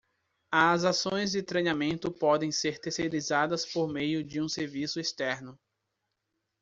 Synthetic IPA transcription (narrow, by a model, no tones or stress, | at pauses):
ɐzasõj̃zd͡ʒɪt̪ɾejnamẽnt̪ʊpɔd̪ẽj̃seɾt̪eɾseɾizad̪ɐspoɾmejʊd͡ʒɪũseɾvisʊist̪ɛɾnʊ